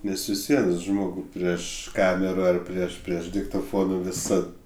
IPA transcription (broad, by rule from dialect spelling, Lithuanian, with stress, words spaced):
ˈnʲɛs ʋʲɪs ˈʋʲiɛn ˈʒmoːɡʊ pʲrʲiɛʃ ˈkɑːmʲɛrɐ ɐr ˈpʲrʲiɛʃ ˈpʲrʲiɛʃ dʲɪktoːˈfoːnʊ ʋʲɪˈsɐt